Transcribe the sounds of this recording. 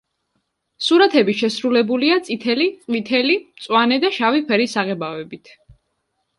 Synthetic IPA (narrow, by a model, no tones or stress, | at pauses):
suɾat̪ʰɛbiʃɛsɾulɛbuliat̪sʼit̪ʰɛliqʼwit̪ʰɛlimt̪sʼwanɛd̪aʃavipʰɛɾisaʁɛbavɛbit̪ʰ